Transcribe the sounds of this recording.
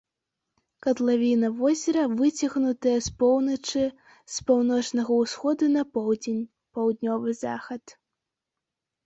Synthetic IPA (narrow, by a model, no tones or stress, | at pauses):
kɐt̪lˠavʲinɐvɔzʲɐɾɐvɨt͡sʲɐɣnut̪ɨjɐspɔwnɐt͡ʂɨ | spawnɔt͡ʂnɐɣɐwsxɔd̪unɐpɔwd͡zʲenʲ | pɐwd̪nʲɔvɨza̰xɐt̪